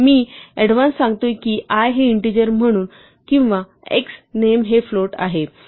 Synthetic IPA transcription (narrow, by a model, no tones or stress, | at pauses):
miːɛɽʋãnsːãŋɡt̪ojkiːʔajɦeiɳʈid͡ʑəɾm̤əɽ̃uːn | kĩw̃ʋa | ḛksnemɦefloʈa̰ɦe